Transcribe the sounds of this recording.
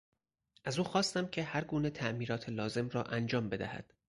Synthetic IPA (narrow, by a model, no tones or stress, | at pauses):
ʔæzuːxɒːst̪æmcʰe̞hæɾɡuːne̞t̪ʰæʔmiːɾɒːt̪ʰelɒːze̞mrɒːʔænd͡ʒɒːmbe̞d̪æhæ̰d̪̥